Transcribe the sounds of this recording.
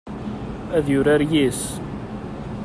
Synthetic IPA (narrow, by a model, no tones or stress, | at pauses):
æðjʊɾaɾjis